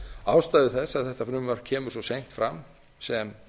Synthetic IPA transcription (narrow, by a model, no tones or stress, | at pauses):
aːwst̪ajðɪθɛsaðθɛht̪afɾʏːmvaɾ̥cʰɛːmʏsɔsejn̥t̪fɾam | sɛm